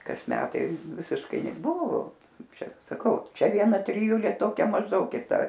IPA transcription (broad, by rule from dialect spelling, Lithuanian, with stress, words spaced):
kɐs ˈmʲæːtɐɪ ʋʲɪsʲɪʃˈkɐɪ nʲɛˈbʊʋoː ˈt͡ʃʲɛ sɐˈkɐʊ ˈt͡ʃʲɛ ʋʲiɛˈnɐ tʲrʲɪˈjʊlʲeː ˈtoːkʲɛ mɐʒˈdɐʊk kʲɪˈtɐ